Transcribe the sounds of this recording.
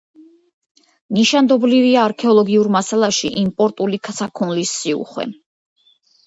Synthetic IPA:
niʃand̪ɔbliviaːɾkʰɛɔlˠɔɡiuɾmasalˠaʃiʔimpʼɔɾt̪ʼulik̪ʰsʰakʰunlisːiṵχwɛ̰

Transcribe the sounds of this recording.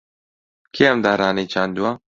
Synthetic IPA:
kʰeːɛmd̪aːɾaːneːt͡ʃʰaːnd̪uwa

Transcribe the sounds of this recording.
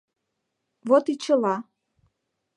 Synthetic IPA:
βot̪it͡ɕəlɑ

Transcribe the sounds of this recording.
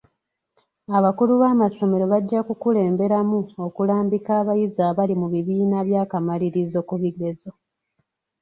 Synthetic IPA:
aβakuluβaːmaso̞me̞ɾo̞βaɟːakukule̞ːmbe̞ɾamuo̞kulaːmbikaːβajizaβalimuβiβiːnaβjaːkamaliɾizo̞kuβiɡe̞zo̞

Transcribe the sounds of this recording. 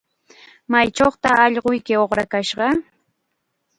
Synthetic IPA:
majt͡ʃoχt̪aɑʎɢʊjkɪoχɾakaʃɢɑ

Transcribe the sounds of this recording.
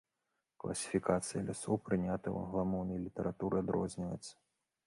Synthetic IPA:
klˠʔɐ̰sʲi̥fʲikat̪sɨjɐlʲasɔwpɾɨnʲat̪ɐwɐ̰nɣlˠamɔwnɐjlʲit̪ɐɾʔat̪uɾʔɨad̪ɾɔ̰zʲnʲivɐ̰jt̪sːɐ̥

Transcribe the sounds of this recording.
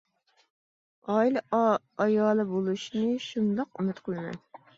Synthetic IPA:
ɑil | ɑjɑːlˠɨbolˠuʃnɨʃund̪ɑqymɪt̪qʰəlˠɨmɛ̰n

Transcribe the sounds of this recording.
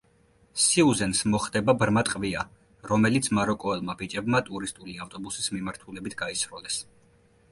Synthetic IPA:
siuzɛnsmɔχd̪ɛbabɾmat̪ʼqʼvia | ɾɔmɛlit̪sʰmaɾɔkʼɔɛlˠmabit͡ʃʼɛbmat̪ʼuɾist̪ʼuliaft̪ʼɔbusismimaɾt̪ʰulɛbit̪ʰɡ̥aisɾɔlɛs

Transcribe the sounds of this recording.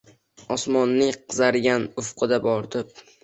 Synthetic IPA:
ɒsmɒnːɪŋqʰɨzaɾɡʲanʊfqʰɨd̪abɒɾd̪ɪp̚

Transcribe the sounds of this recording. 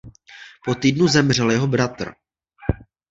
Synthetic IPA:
po̞t̪iːdnuzɛmr̝ɛljɛɦo̞bɾat̪r̩

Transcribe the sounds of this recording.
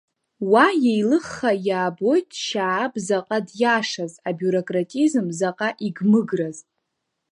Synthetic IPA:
wajejlɨχːajaːbo̞jtʼʃaːbzaqʼadjaʂazabuɾokʼratʼizmzaqʼaʔiɡmɨɡraz

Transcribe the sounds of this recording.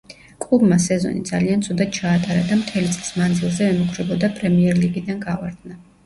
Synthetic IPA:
kʼlˠubmasɛzɔ̰nḭd̪zaliant̪sʰud̪at̪̚t͡ʃʰaːt̪ʼaɾad̪amt̪ʰɛlit̪sʼlismand̪zilˠzɛɛmukʰɾɛbɔd̪apʼɾɛmiɛɾliɡid̪anɡavaɾd̪na

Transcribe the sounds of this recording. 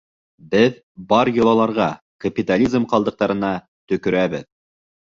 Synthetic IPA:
bɘð | bɑɾjŏlˠɑlˠɑɾʁɑ | kapʲit̪alʲizmqɑlˠd̪ɤ̆q̚t̪ɑɾɤ̆nɑ | t̪ɵ̆kɵ̆ɾæbɘð

